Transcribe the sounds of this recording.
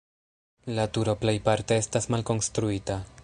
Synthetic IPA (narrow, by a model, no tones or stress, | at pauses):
latuɾo̞plejpaɾte̞estasmalko̞nstɾuita